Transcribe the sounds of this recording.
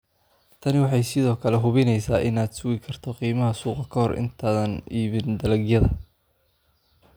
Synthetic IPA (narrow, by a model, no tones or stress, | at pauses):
t̪ʰɐnɪwɑħɑjsɪðɔːkʰɐlɛɦʊβɪnɛjsaːʔɪnaːd̪sʊɣɪkʰɐrt̪ʰɔqiːmɐɦɐsuːqɐkʰɐhɔrʔɪ̰nt̪ʰaːðɐniːβɪnd̪ɐlɐɡjɐðɐ̰